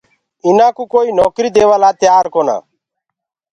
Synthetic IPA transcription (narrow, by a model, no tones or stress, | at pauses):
ɪnãːkuːkoːiːnoːkɾiːd̪eːʋaːlaːt̪ɪjaːɾkoːna̰ː